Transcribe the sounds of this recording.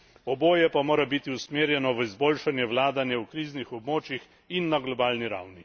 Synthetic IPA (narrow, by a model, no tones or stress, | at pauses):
ɔboːjɛpamoːɾabit̪iusmeːɾjɛnɔʋəizboːlʃanjɛwlaːd̪anjɛwkɾiːznixɔbmoːt͡ʃjix | inːaɡlɔbaːlniɾa̰wni